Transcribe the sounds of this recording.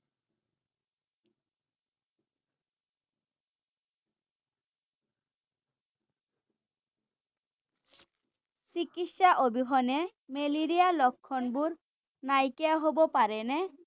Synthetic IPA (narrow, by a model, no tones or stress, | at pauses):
sikiʃaʔobiɦɔne | meliɾialɔkʰːɔnbuɾ | najkeaɦobopaɾenɛ